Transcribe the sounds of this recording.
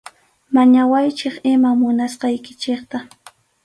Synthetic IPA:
maɲawajt͡ʃɪχɪmamʊnasqɑjkɪ̥t͡ʃeχt̪a

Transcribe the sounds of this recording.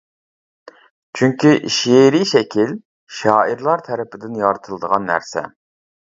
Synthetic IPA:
t͡ʃʰyŋkʲiʔʃeɾiʃɛkʲʰil | ʃɑːiɾlˠɑɾt̪ʰɛɾɪpʰɪd̪ɪnjɑɾt̪ʰɨlˠɨd̪əʁɑnːæ̰ɾsɛ̰

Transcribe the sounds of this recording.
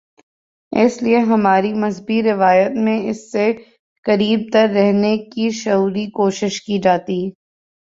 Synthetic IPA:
ɪ̰slieɦɐmaːɾimɐzbiɾɪʋaːjət̪mẽɪsːe | kɐɾiːb̚t̪ɐɾːɛɦnekiʃɐuːɾikoːʃɪʃkid͡ʒaːt̪i

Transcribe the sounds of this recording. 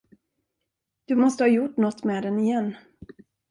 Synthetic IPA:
d̪̥ɵmɔst̪əhɑjʊʈːnɔt̪ːmɛːd̪ɛnɪjɛnː

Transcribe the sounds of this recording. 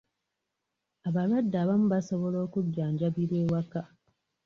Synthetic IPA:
aβaɾwadːaβamuβasoβo̞lo̞ːkuɟːaːɲɟaβiɾwe̞ːwaka

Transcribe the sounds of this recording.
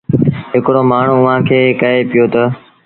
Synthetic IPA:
ɦɪkɽomaːɳ̤uʊʋ̤ãkʰeːkəɦepɪjoːt̪ɐ

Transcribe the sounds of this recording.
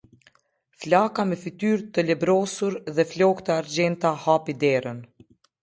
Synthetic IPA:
flakamɛfit̪yɾt̪əlɛbɾɔsuɾðɛflɔkt̪əaɾd͡ʑɛnt̪ahapid̪ɛɾən

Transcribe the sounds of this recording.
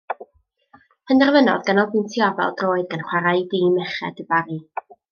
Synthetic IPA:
pʰəndɛrvənɔ̰ðɡanɔlˠbɨntʰiɔvɛ̰lˠdroːɨðɡanχwaɾajdiːmɛχɛ̰dəbaɾi

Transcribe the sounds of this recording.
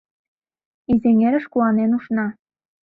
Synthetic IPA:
izeŋeɾə̆ʃkuɑnenuʃnɑ

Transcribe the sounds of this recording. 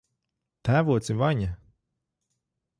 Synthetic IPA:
t̪æːvuɔt̪sivaɲa

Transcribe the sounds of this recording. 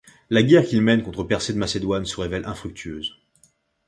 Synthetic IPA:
laɡʲɛʁkʲilmɛnkɔ̃t̪χəpɛʁsed̪əmased̪wansəʁevɛlʔɛ̰̃fχyk̚t̪ʰyøːz

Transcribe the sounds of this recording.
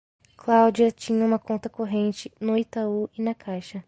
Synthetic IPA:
klawd͡ʒiɐt͡ʃĩɲɐũmɐkõnt̪ɐkoɦẽnt͡ʃɪnʊit̪auɪnɐkʰajʃɐ

